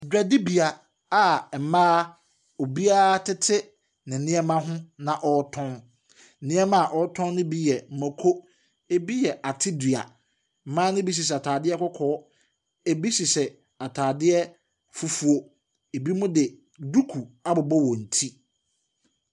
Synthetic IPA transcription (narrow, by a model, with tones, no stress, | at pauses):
dᶣɛ˨dɪ˦bi˨a˨ | a˨mãː˦ | ɔ˨bi˦a˦tʰɪ˦tʰɪ˦ | nɪ̃˨nɪ̃˦ɛ˦mã˦ɦʊ̃˦nã˨ʔɔ˨˦tʰɔ̃˦n̩˨ | nɪ̃˦ɛ˦mã˦a˨ʔɔ˨˦tʰɔ̃˦n˦nʊ̃˦bi˦jɛ˨m̩˨mɛ̃˨kʰo˦ | e˦bi˦jɛ˨ʔa˨tʰɪ˦di˨a̰˨ | m̩˨˦mãː˦nʊ̃˦bi˦s̬i˨s̬ɛ˨a˨tʰaː˨dɪ˦ɛ˦kɔ˦kʰɔː˨˦ | e˦bi˦si˨sɛ˨ | a˨tʰaː˨dɪ˦ɛ˦ | fu˦fu˨o˦ | e˨bi˦mʊ̃˦dɪ˨ | du˦kʰu˨a˦bʊ˨bɔ˦wɔ˨n̩˨tʰi˦